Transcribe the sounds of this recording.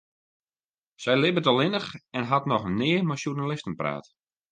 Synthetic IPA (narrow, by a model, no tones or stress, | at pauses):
sɛjlɪbətɔlˠɪnəxɛnɦatnɔxnɪːəmaʃjunalɪstənpra̰ːt